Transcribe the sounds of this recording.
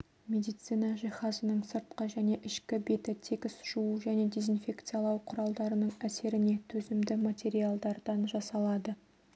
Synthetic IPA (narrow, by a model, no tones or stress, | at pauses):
mʲe̞d̪ijt̪sijnɑʒijχɑzənəɴsəɾt̪̚qəʒæne̞ʔɪʃkʲɪbe̞t̪ɪt̪ʰekʲɪsʒ̥uəʒæne̞d̪e̞zinfʲe̞kt̪sɨjalˠɑwqʰʊɾɑlˠd̪ɑɾənəɴæse̞ɾɪne̞t̪ʰɵzɪmd̪ɪmat̪ʲe̞ɾialˠd̪ɑɾd̪ɑnʒɑsɑlˠɑd̪ə